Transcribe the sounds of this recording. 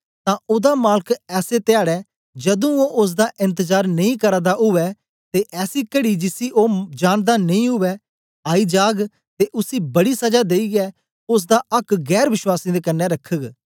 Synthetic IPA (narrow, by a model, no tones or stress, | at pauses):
t̪ãːʔʊd̪aːmaːlkɛːset̪ɪjaːɽɛː | d͡ʒɐd̪ũoːʔʊs̬d̪aːʔɪ̃nt̪əzaːɾnɐĩːkəɾad̪aʊʋɛː | t̪eːʔɛːsiːkəɽiːd͡ʒɪsiʔoːd͡ʒaːnd̪aːnɐĩːɦʊʋɛː | aːiːd͡ʒaːɡ | t̪eʔʊsiːbɐɽiːsɐd͡ʒaːd̪eːiɡɛː | ʊs̬d̪aːɐkɡɛːɾʋɪʃwaːsĩd̪eːkɐnːɛɾəkʰːəɡ